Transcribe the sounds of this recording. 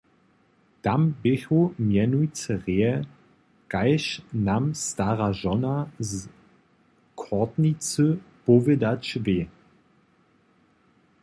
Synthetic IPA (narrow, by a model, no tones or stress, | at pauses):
d̥ambɪçomjɛnuit͡səʁeɛ | ɡ̥aɪʃnamstaʁaʒɔnaz | kʰɔtnit͡søpovədat͡ʃveː